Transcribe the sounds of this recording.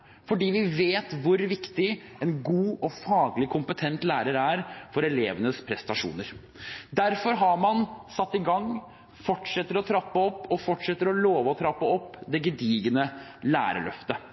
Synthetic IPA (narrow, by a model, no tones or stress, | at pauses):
fɔɖiːʋɪʋeːt̪ʋʊɾʋɪkt̪ɪ | ɛnɡuːɔfɑːɡlɪkʰʊmpət̪ʰɛnt̪læːɾəɾæɾfɔɾɛleːʋənəspʰɾɛst̪ɑʂṵːnəɾ | d̪æɾfɔɾɦɑɾmɑnsɑt̪ːɪɡɑŋː | fɔʈʂɛt̪ːəɾɔt̪ʰɾɑpːəɔpːɔfɔʈʂɛt̪ːəɾɔloːʋəɔt̪ʰɾɑpːəɔpːd̪ɛɡəd̪iːɡənəlæ̰ːɾə̰ɭœ̰ft̪ə